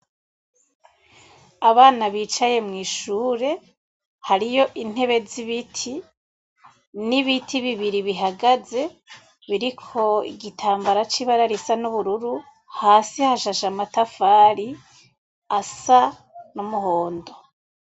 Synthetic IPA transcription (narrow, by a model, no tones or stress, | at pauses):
aβaːnaβiːt͡ʃaje̞mŋiːʃuːɾe̞ | haɾijo̞ʔin̥he̞βe̞ziβitʰi | niβitʰiβiβiɾiβiɦaɡaze̞ | βiɾikʰo̞ḭɡitʰaːmbaɾat͡ʃiβaɾaɾisanuβuɾuɾu | haːsihaʃaʃamatafaːɾi | asa | numuho̞ːndo̞